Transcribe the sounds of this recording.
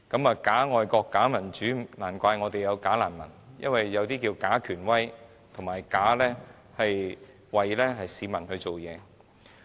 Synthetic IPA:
kɐ˨˥maː˨˧kaː˨˥ŋɔː˨jkɔː˧kːaː˨˥mɐ˨˩nt͡ʃyː˨˥naː˨˩nkʷaː˧jŋɔː˨˧t̪e˨jɐ˨˧wkaː˨˥laː˨˩nmɐ˨˩njɐ̰˥nwɐ˨jːɐ˨˧wt̪iː˥kiː˧wkaː˨˥kʰyː˨˩nwɐ˥j | t̪ʰʊ˨˩ŋmaː˨˩jkaː˨˥lɛː˥ | hɐ˨j | wɐ˨˩jlɛː˥ɦɐ˨jsiː˨˧mɐ˨˩nhɵ˧ɥt͡so˨wjɛː˨˧

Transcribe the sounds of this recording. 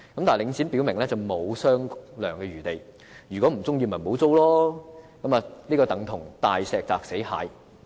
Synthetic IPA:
kɐ˧mt̪aː˨˩jlɪ˨˧ŋt͡sʰiː˨˥npi˨˥wmɪ˨ŋlɛː˥t͡sɐ˨wmo˨˧wsœː˥ŋlœː˨˩ŋkɛː˧ɥyː˨˩t̪e˨˩j | jyː˨˩kʷɔ˨˥m̩˨˩t͡sʊ˥ŋjiː˧mɐ˨˩mo˨˥wt͡so˥wlɔː˥kɐ˨˥maː˨liː˥kɔː˧t̪ɐ˨˥ŋt̪ʰʊ˨˩ŋt̪aː˨jsɛː˨˧k̚t͡saː˧k̚se˨˥jha̰ː˨˥j

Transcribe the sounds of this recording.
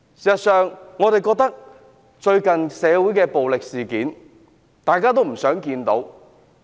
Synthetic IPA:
siː˨˩sɐ˨tsœː˨ŋːɔː˨˧ɾe˨jkɔː˧k̚t̪ɐ˥k̚ | t͡ʃɵ˧ɥkɐ˨nsɛː˨˧wuː˨˥jkɛː˧po˨wlɪ˨k̚siː˨kiː˨˥n | t̪aː˨˩jkaː˥t̪̬o˥wm̩˨˩sœː˨˥ŋkiː˧nt̪o˨˥w

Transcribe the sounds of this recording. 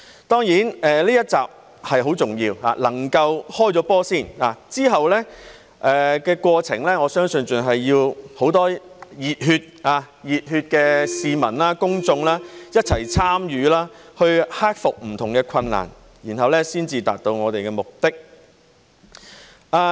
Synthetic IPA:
t̪ɔː˥ŋjiː˨˥nɛː˨liː˥jɐ˥t̚t͡saː˨p̚ | hɐ˨jɦo˨˥wt͡sʊ˨ŋjiː˧wha̰ː˧lɐ˨˩ŋkɐ˧whɔː˥jt͡sɔː˨˥pɔː˥siː˥˩naː˨˩t͡siː˥ɦɐ˨wlɛ˥ | ʔɛː˨kɛː˧kʷɔː˧t͡sʰɪ˨˩ŋlɛː˥ŋɔː˨˧sœː˥ŋsɵ˧nt͡sœ˨nɦɐ˨jjiː˧who˨˥wt̪ɔː˥ | jiː˨t̚hyː˧t̚aː˧ | jiː˨t̚hyː˧t̚kɛː˧siː˨mɐ˨˩nlaː˥kʊ˥ŋt͡sʊ˧ŋlaː˥jɐ˥t̚t͡sʰɐ˨˩jt͡sʰaː˥mjyː˨˧laː˥hɵ˧ɥhaː˥k̚fʊ˨k̚m̩˨˩t̪ʰʊ˨˩ŋkɛ˧kʷʰɐ˧nːa̰ː˨˩n | jiː˨˩nɦɐ˨wlɛː˥siː˥nt͡siː˧t̪a̰ː˨t̚t̪o˧wŋɔː˨˧t̪e˨jkɛː˧mʊ˨k̚t̪ɪ˥k̚ | ʔaː˧˩

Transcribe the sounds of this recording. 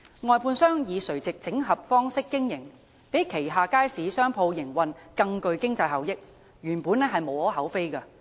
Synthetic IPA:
ŋɔː˨jpʰuː˧nsœː˥ŋjiː˨˧sɵ˨˩ɥt͡sɪ˨k̚t͡sɪ˨˥ŋɦɐ˨p̚fɔː˥ŋsɪ˥kːɪ˥ŋjɪ˨˩ŋ | pe˨˥jkʰe˨˩jɦaː˨˧kaː˥jsiː˨˥sœː˥ŋpʰo˧wjɪ˨˩ŋwɐ˨nkɐ˧ŋkɵ˧ɥkɪ˥ŋt͡sɐ˧jɦɐ˨˩wjɪ˥k̚ | jyː˨˩npuː˨˥nɛ˥ɦɐ˨jmo˨˧whɔː˨˥ɦɐ˨˥wfe˥jkɐ˧

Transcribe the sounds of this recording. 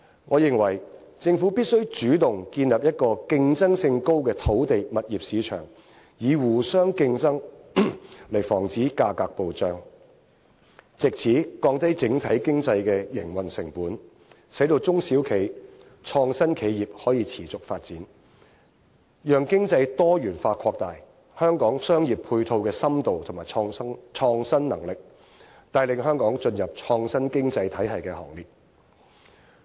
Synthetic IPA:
ŋɔː˨˧jɪ˨˩ŋwɐ˨˩jt͡sɪ˧ŋfu˨˥piː˥t̚sɵ˥ɥt͡ʃyː˨˥t̪ʊ˨ŋkiː˧nlɐ˨p̚jɐ˥t̚kɔː˧kɪ˧ŋt͡sɐ˥ŋsɪ˧ŋko˥wkɛː˧t̪ʰo˨˥wt̪e˨jmɐ˨t̚jiː˨p̚siː˨˧t͡ʃʰœ̰ː˨˩ŋ | jiː˨˧wuː˨˩sœː˥ŋkɪ˧ŋt͡sɐ˥ŋ | lɐ˨˩jfɔː˨˩ŋt͡siː˨˥kaː˧kaː˧k̚po˨wt͡ʃœː˧˥ŋ | t͡sɪ˨k̚t͡sʰiː˨˥kɔː˧ŋt̪ɐ˥jt͡sɪ˨˥ŋt̪ʰɐ˨˥jkɪ˥ŋt͡sɐ˧jkɛː˧jɪ̰˨˩ŋwɐ˨˩nsɪ˨˩ŋpuː˨˥n | sɐ˨˥jt̪o˧wt͡sʊ˥ŋsiː˨˥wkʰe˨˩j | t͡ʃʰɔː˧ŋsɐ˥nkʰe˨˧jjiː˨p̚hɔː˨˥jiː˧t͡sʰiː˨˩t͡sʊ˨k̚faː˧t̚t͡siː˨˥n | jœː˨ŋkɪ˥ŋt͡sɐ˧jt̪ɔː˥jyː˨˩nfaː˧t̚kʰɔː˧k̚t̪aː˨j | hœː˥ŋkɔː˨˥ŋsœː˥ŋjiː˨˩pʰuː˧jt̪ʰo˧wkɛː˧sɐ˥mt̪o˨wt̪ʰmaː˨˩˧t͡ʃʰɔː˧ŋsɐ˥nnɐ̰˨˩ŋlɪ˨k̚ | t̪aː˧jlɪ˨ŋɦœː˥ŋkɔː˨˥ŋt͡ʃɵ˧njɐ˨p̚t͡ʃʰɔː˧ŋsɐ˥nkɪ˥ŋt͡sɐ˧jt̪ʰɐ˨˥jhɐ˨jkɛː˧hɔ̰ː˨˩ŋliː˨t̚

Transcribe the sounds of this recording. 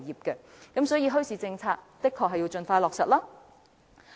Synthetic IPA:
jiː˨p̚kɛ˧ | kɐ˨˥msɔː˨˥jiː˧ɦɵ˥ɥsiː˨˧t͡sɪ˧ŋt͡sʰaː˧k̚t̪ɪ˥kʰːɔː˨˩ɦɐ˨jiː˧wt͡ʃɵ˧nfaː˧jlɔː˨k̚sɐ˨t̚laː˥

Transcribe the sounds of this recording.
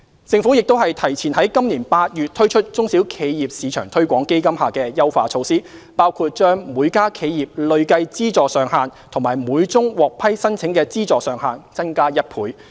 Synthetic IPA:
t͡sɪ˧ŋfuː˨˥jɪ˨k̚t̪o˥whɐ˨jt̪ʰɐ˨˩jt͡sʰiː˨˩nhɐ˨˥jkɐ˥mniː˨˩npaː˧t̚jyː˨t̚t̪ʰːɵ˥ɥt͡ʃʰɵ˥t̚t͡ʃʊ˥ŋsi˨˥wkʰe˨˧jjiː˨p̚siː˨˧t͡ʃʰœ̰ː˨˩ŋt̪ʰɵ˥ɥkʷɔː˨˥ŋke˥jkɐ˥mhaː˨kɛː˧jɐ˥wfaː˧t͡sʰo˧wsiː˥paː˥wkʰuː˧t̚t͡ʃœː˥ŋmuː˨˧jkaː˥kʰe˨˧jjiː˨˩p̚lɵ˨˧ɥkɐ˧jt͡siː˥t͡sɔː˨sœː˨˧ŋɦaː˨nt̪ʰʊ˨˩ŋmaː˨˩jmuː˨˧jt͡sʊ˥ŋwɔː˨˩k̚pʰɐ˥jsɐ˥nt͡sʰɪ˨˥ŋkɛː˧t͡siː˥t͡sɔː˨sœː˨ŋhaː˨nt͡sɐ˥nkaː˥jɐ˥t̚pʰuː˨˥j

